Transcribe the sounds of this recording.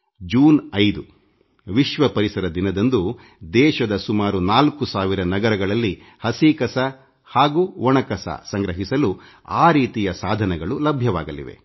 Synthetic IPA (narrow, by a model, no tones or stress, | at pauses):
d͡ʒuːnɐjd̪u | ʋiʃʋɐpɐɾisɐɾɐd̪inɐd̪ɐnd̪u | d̪ɛːʃɐd̪ɐsumaːɾunaːlkusaːʋiɾɐnɐɡɐɾɐɡɐɭɐlːi | hɐsiːkɐsɐ | haːɡuːʋɔɳɐkɐsɐ̰sɐŋɡɾɐɦisɐlu | aːɾiːt̪ijɐsaːd̪ʱɐnɛɡɐɭulɐbʱjɐʋaːɡɐlḭʋḛ